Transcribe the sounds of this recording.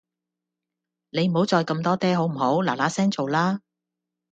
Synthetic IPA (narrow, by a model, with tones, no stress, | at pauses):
ne˨˧jm̩˨˩ho˨˥wt͡sɔː˧jkɐ˧mt̪ɔː˥t̪ɛː˥ɦo˨˥wm̩˨˩ho˨˥wlaː˨˩laː˨˥sɛː˥ŋt͡so˨wlaː˥